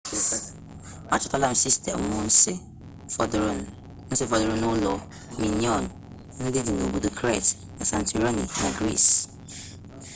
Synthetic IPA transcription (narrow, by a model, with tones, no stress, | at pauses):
a˦t͡ʃʰɔ̥˨tʰa˦lã˦˨m̩˨si˦stʰɛ̰˨m̩˨mʊ̃˨n̩˦sɪ˦ | fɔ˨dɾn | n̩˦sɪ˦fɔ˨dɪ˨ɾʊ̃˦nʊ̃˦lɔ˨ | mĩ˨nĩ˦ɔ̃˦˨n | n̩˦dɪ˦dɪ˨nõ˨bo˨do˨kʰɾɛ˦˨t | nã˨sã˨n˨tʰu˨ɾa˦nḭ˨nã̰˨ɡɾḭ˦˨s